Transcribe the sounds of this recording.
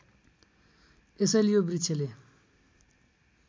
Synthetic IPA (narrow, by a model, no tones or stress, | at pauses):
esʌlijobrit͡sʰele